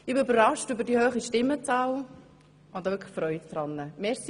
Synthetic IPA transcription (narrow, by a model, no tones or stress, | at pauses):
ɪbøbərʁɑʃtʏbəɾdihøːχiʃtɪmːət͡sɑːl | ʊnd̥̪ɑʋʏɾkʰəfɾœʏtdɾɑnːəmɛɾs